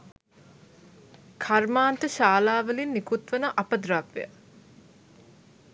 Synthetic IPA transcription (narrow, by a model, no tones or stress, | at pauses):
kʰarmaːɳʈəʃaːlaːʋəlinːikut̪ʋənəʔapəd̪ɾaʋːjə̰